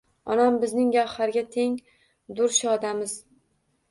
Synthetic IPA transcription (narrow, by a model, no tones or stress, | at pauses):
ɒnambɪznɪŋjʲahaɾɡʲat̪ʰe̞ŋ | d̪ʊɾʃɒd̪amɪz